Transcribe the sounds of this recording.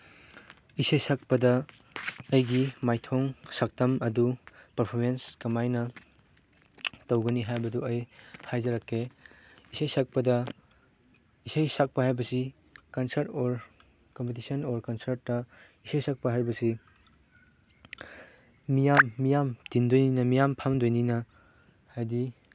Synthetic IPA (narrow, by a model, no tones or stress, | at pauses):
isɐjsak̚pɐdɐː | jɡimajtʰɔŋsak̚tɐmɐdupɐɾpʰoɾmenskɐmajnɐ | tɐwɡɐniɦajbɐduɐjhajd͡ʒɐɾakʰːe | isɐjsak̚pɐdɐ | isajsak̚pɐhajbɐsi | kɐnsɐɾtɔɾ | kɔmpet̬isɐnɔɾkansɐɾtːɐ | isajsak̚pɐɦajbɐsi | mijamːijamdindojninɐmijampʰamdojninɐ | hajdi